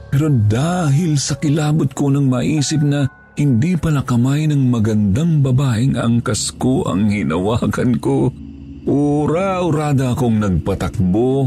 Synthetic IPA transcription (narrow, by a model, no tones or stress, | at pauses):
pɛɾo̞d̪aːɦɪlsɐkɪlaːbot̪̚konɐŋmɐʔiːsɪp̚nɐ | hɪnd̪ipɐlakɐmajnɐŋmɐɡɐnd̪aŋbɐbaːʔɪŋɐ̰ŋkɐskoʔɐ̰ŋhɪnɐwaːkɐnko | ʔoɾaʔʊɾaːd̪ɐʔɐkoŋnɐɡ̚pɐt̪ɐk̚bo